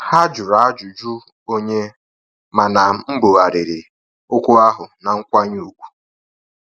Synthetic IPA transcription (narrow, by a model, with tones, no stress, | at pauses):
ha˦d͡ʒʊ˨ɾa˨a˦d͡ʒʊ˨d͡ʒu˦ | o˦ɲe˦ | ma˨na˨˦m̩˦bo˨ɣa˨ɾɪ˨ɾɪ˨ | ʊ˦kʷʊ˦a˦ɦʊ˨na˨ŋ̩˦kʷa˦ɲu˨kʷu̥˨